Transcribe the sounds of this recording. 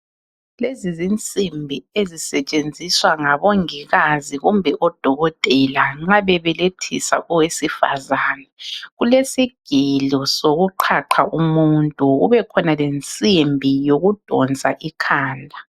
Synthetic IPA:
lezizint͡sʼimbʱiezisɛt͡ʃʼend͡zʱiswaŋaβoŋiɣaziɣumbʱɛʔɔd̥ʱɔɣɔtʼɛlaŋ͡ǁaβɛβɛletʰḭsa̰ʔɔwesifa̰zaːnɛɣulesiɡ̥ʱilɔsoɣuǃʰaǃʰaʔumuntʼuɣuβɛkʰɔnalent͡sʼimbʱijoɣud̥ʱɔnd͡zʱaʔikʰaːndʱa

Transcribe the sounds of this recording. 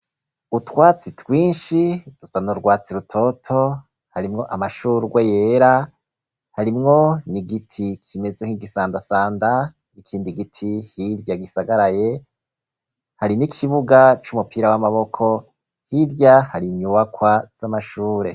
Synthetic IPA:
utwaːt͡sitwiːnʃid̥usanuɾɡwaːt͡siɾutʰo̞tʰo̞ | haɾimŋo̞ʔamaʃuːɡwejeːɾa | haɾimŋo̞niɡitʰikʰime̞zeŋiɡisaːndasaːnda | nikʰiːndiɡitʰihiɾɟaɡisaɡaɾaje̞ | haɾinikʰiβuɡat͡ʃumupiːɾawamaβo̞kʰo̞ | hiɾjahaɾiɲuwakwaz̥amaʃuːɾe̞̰

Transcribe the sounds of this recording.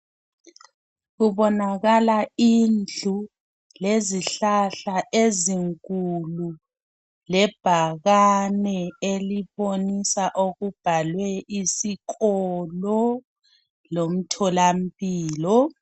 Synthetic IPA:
ɣuβɔnaɣalaind͡ɮʱu | leziɬaɬaʔeziŋkʼulu | lɛb̥ʱaɣanɛeliβonisaʔoɣub̥ʱalwɛisikɔlɔ | lom̩tʰɔlam̩pʼiːlɔ

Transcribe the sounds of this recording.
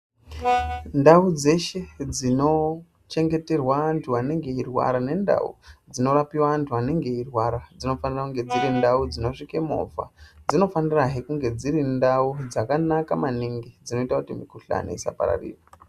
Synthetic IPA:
ndaud͡ze̞ʃe̞d͡zino̞ | t͡ʃe̞ŋɡe̞te̞rwaantʰuʋane̞ŋɡe̞irwa̰ɾane̞nda̰ṵd͡zino̞ɾapiwaantʰuane̞ŋɡe̞irwaɾad͡zino̞fanirakuŋɡe̞d͡ziɾindaud͡zino̞ʂikemo̰va̰d͡zino̞faniraɦekuŋɡe̞d͡ziɾindaud͡zakanakamaniŋɡid͡zino̞itakutimikuɬa̰nḛisa̰pa̰ɾa̰rḭːra

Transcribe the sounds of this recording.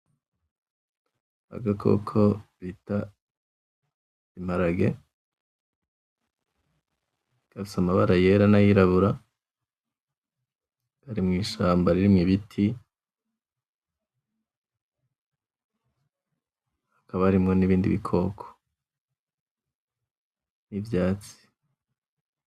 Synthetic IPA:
a̰ɡakʰo̞̰kʰo̞βita | im̥aɾaɡe̞ | ɡ̥aβusamaβaɾaje̞ɾanajiɾaβuɾa | aɾimŋiːʃaːmbaɾiɾimŋiβitʰi | hakaβaɾimŋo̞niβiːndḭβikʰo̞ːkʰo̥ | nivjaːt͡si̥

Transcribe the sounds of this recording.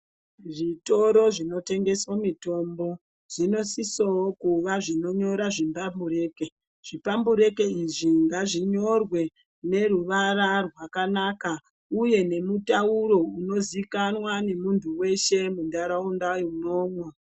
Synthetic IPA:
ʐito̞ɾo̞ʐino̞te̞ŋɡe̞swomito̞mbo̞ | ʐ̥ino̞sisookuʋaʐino̞ɲo̞ɾaʐimbambuɾe̞ːke | ʐ̥ipambuɾe̞ke̞iʐiŋɡaʐiɲo̞rwe̞ | ne̞ɾuʋaɾarwakanaka | uje̞ne̞mutauɾo̞uno̞zikanwane̞muntʰuwe̞ʃe̞mundaɾaundajiuno̞ːmwe

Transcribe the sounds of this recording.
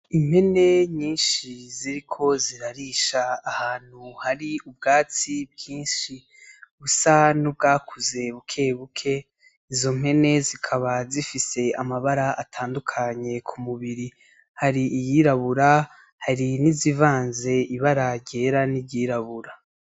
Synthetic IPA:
im̥he̞ne̞ɲiːnʃiziɾikʰo̞ziɾaɾiʃaːhaːn̥huhaɾiub̚ɡaːt͡sib̚ɡiːnʃi | βusanub̚ɡaːkʰuze̞βukʰe̞βukʰe̞ | izo̞m̥e̞ne̞zikʰaβazifise̞amaβaɾaʔatʰaːndukʰaɲe̞kʰumuβiɾi | haɾiːjiɾaβuɾa | haɾinizivaːnze̞iβaɾaɟe̞ːɾaniɟiːɾaβuɾa

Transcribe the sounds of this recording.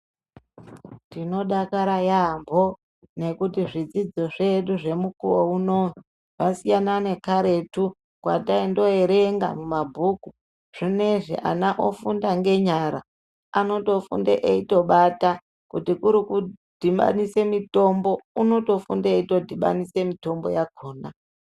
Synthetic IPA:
dino̞ɗakaɾajambʱo̞ | ne̞kutiʐid͡zid͡zo̞ʐe̞ɗuʐe̞mukuwouno | wasijanane̞kaɾe̞tu | kwa̰taindo̞eɾeŋɡa̰mumabʱuku | ʐ̥ine̞ʐḭʔa̰naʔo̰fundaŋɡe̞ɲaɾa | ano̞to̞fṵndḛʔeito̞ɓata | kutikuɾikud̥ʱima̰nisemito̞mbo̞uno̞to̞fṵndeito̞dʱiɓa̰nisemito̞mbo̞̰jakʰoːna

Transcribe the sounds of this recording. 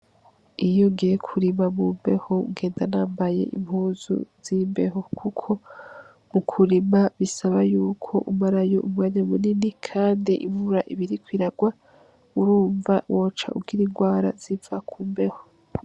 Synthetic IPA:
ijo̞ɡijekʰuɾimamuːmbe̞̰houɡe̞ːndanaːmbaje̞̰ʔḭmhuːzṵz̥iːmbe̞ɦo̞kʰukʰo̞ | mukʰuɾimaβisaβajuːkʰo̞ʔumaɾajo̞̰ʔumwaːɲamuninikʰaːndiʔivuɾaʔiβiɾikwiɾaɡwa | uɾuːɱvawʔoːt͡ʃa̰ʔṵɡiɾiŋɡwaːɾaz̥ivakʰuːmbe̞ho

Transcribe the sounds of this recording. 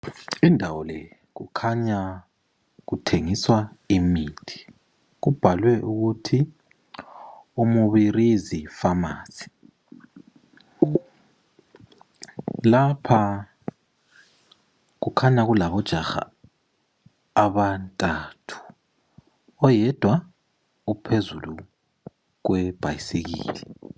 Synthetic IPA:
indʱawɔlɛ | ɣukʰaɲa | ɣutʰeŋiswaimiːtʰi̥ | ɣub̥ʱalwɛʔuɣutʰi | umuβirizifamaːsi̥ | lapʰa | k̬ukʰanaɣ̬ulaβɔd̥ʒ̥ʱaxa̰ | βantʼatʰu̥ | ɔjɛd̥ʱwa | upʰezulu | k̬wɛb̥ʱa̰jisek̬ḭːlɛ

